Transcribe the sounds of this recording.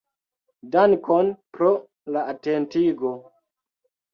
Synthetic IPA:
dankonpɾo | laatentiɡo

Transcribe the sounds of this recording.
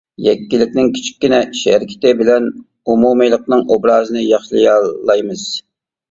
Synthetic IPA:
jɛkʲːilːɪkʲnɪŋkʲʰi̥t͡ʃʰi̥kʲːinɛiʃɛɾɪkʲʰɪ̥t̪ɪbɪlɛn | umumɨjlˠəq̚nɨŋʔobɾɑːzɨnɨjɑχʃlˠɨjɑlːˠɑjmɨz̥

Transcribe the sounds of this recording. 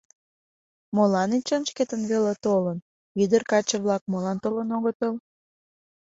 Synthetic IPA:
molɑnit͡ɕənʃket̪ənβelet̪olən | id̪ərkɑt͡ɕəβlɑk̚molɑnt̪olənoɣət̪əl

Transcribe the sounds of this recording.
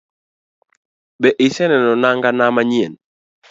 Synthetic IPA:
ɓɛʔɪsɛnɛnɔnaŋɡanamaɲien

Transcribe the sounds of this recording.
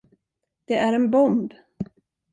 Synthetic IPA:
d̪̥ɛʔæɾɛnbɔmb

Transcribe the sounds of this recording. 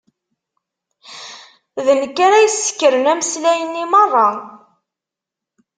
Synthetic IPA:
ðənəkːaɾæjəsːə̥kːəɾənæməslæjənːimərˤːɑ

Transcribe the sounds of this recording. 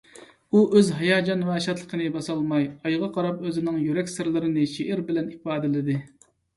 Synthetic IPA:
uʔøzɦɑjɑːd͡ʒɑnwɛʃɑt̪lˠəqʰənɨbɑsɑlˠmɑjɑjʁɑqʰɑɾɑpøzɪnɪŋjyɾɛkʲsɨɾlˠɨɾɨnɪʃeʔɪɾbɪlɛniq̚bɑːd̪ɨlɪd̪ɪ

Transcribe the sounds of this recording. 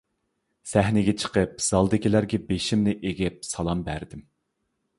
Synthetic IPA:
sæhnɪɡʲɛt͡ʃʰə̥qəp̚z̥ɑlˠd̪ɪkʲilæɾɡʲɛbeʃimnɪʔeɡʲɛp̚sɑlˠɑmbæɾd̪ɪm

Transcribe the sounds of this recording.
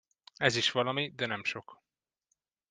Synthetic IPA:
ɛziʃʋɒlɒmid̪ɛnɛmʃo̞k

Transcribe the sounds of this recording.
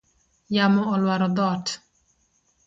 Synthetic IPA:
jamɔɔlwaɾɔd̪ɔt

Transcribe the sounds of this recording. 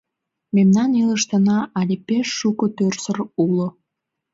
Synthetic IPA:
memnɑniləʃt̪ənɑʔɑlʲepeʃːukot̪ørsərulo

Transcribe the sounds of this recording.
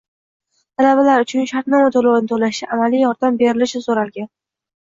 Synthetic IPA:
t̪ʰalabalaɾʊt͡ʃʰʊnʃaɾt̪nɪmot̪ʰolownɪt̪ʰolaɪʔamalijɒɾd̪ambe̞ɾɪlɪʃɪsoɾalɡʲan

